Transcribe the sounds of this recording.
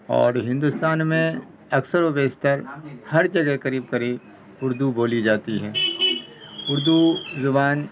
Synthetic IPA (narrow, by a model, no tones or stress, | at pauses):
ɔ̰ːɾɦɪ̃nd̪ust̪aːnmẽ | ɐksəɾobeːst̪əɾhɐɾd͡ʒɐɡɛkɐɾiːb̚kɐɾiːb | ʊɾd̪uboːlid͡ʒaːt̪iɦɛː | ʊɾd̪uzʊbaːn